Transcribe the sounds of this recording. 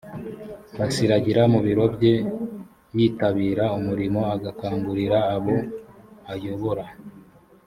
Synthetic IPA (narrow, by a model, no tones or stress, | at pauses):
βasiɾaɟiɾamuβiɾo̞bɟe̞ | jiːtaβiːɾaumuɾimo̞aɡakaːŋɡuɾiɾaːβo̞ajo̞βo̞ɾa